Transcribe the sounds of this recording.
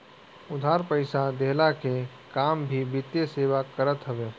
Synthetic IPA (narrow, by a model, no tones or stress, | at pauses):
ʊd̪ʱaːɾpəɪsad̪eɦlake | kaːmbʱibɪt̪jeseːʋakəɾət̪ɦəʋeː